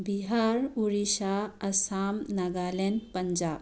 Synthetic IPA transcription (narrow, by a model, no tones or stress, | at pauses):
biɦaːɾuɾiʃaɐsaːmnɐɡalenpɐɲd͡ʒaːb̚